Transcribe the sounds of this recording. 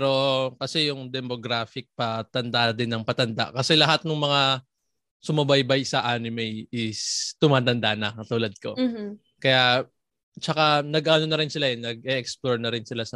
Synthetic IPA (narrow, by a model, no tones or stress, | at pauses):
pɾo̞kɐsɛjʊŋd̪ɛmoɡɾaːfɪk̚pɐt̪ɐnd̪ad̪ɪnːɐŋpɐt̪ɐnd̪a̰ʔkɐsɛlɐɦat̪̚nʊŋmɐŋa | sʊmɐbajbajsɐʔaːnɪmɛjʔɪst̪ʊmaːt̪ɐnd̪anɐkɐt̪uːlɐd̪̚ko̞̰ | kɐja | t͡ʃɐkanɐɡʔɐno̞nɐɾɪnsɪlaʔɛnɐɡ̚ʔɛʔɛksploɹnɐɾɪnsɪlasɐ